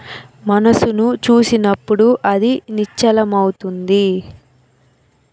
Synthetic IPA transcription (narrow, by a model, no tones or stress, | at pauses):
mɐnɐsunut͡ʃuːsinɐpːuɽuʔɐd̪init͡ʃːɐlɐmɐwut̪und̪i